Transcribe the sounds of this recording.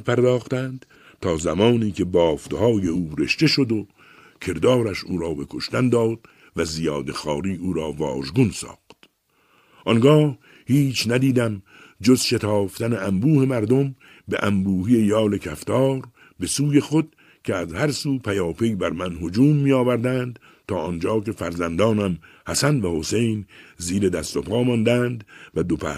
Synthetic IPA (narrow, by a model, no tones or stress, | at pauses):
pʰæɾd̪ɒːxt̪ænd̪̥ | t̪ʰɒːzæmɒːniːkʰe̞bɒːft̪hɒːje̞uːɾeʃt̪e̞ʃo̞d̪o | kʲʰe̞ɾd̪ɒːɾæʃuːɾɒːbe̞kʰo̞ʃt̪ænd̪ɒːd̪̥̚ | væzijɒːd̪e̞xɒːɾiːuːɾɒːvɒːʒɡunsɒ̰ːxt̪ | ʔɒŋɡɒːh | hiːt͡ʃʰnæd̪iːd̪æm | d͡ʒo̞zʃe̞t̪ʰɒːft̪æneæmbuːhe̞mæɾd̪o̞m | bḛʔæmbuːɦiːe̞jɒːle̞kʰæft̪ʰɒːɾ | be̞suːje̞xo̞d̪̥̚ | cʰeæzhæɾsuːpʰæjɒːpe̞jbæɾmænɦo̞d͡ʒuːmːiːjɒːvæɾd̪ænd̪ | t̪ʰɒːʔɔnd͡ʒɒːke̞fæɾzænd̪ɒːnæm | hæsænvæho̞se̞jnziːɾe̞d̪æst̪opʰɑːmɒːnd̪ænd̪væd̪opʰæ̰